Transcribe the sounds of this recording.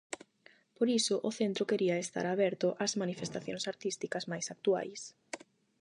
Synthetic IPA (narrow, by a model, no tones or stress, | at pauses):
poɾisʊʔʊθent̪ɾʊkeɾiɐest̪a̰ɾaβɛɾt̪ʊʔazmanifest̪aθjo̰ŋsaɾt̪ist̪ikɐzmajsak̚t̪ua̰js